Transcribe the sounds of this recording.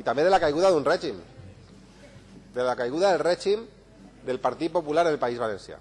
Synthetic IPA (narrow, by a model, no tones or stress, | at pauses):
it̪ambeðelakajɣ̞uðaðunrɛʒim | d̪elakajɣuðaðelrɛʒim | d̪elpaɾt̪it̪̚populaɾðelpaizβalensja̰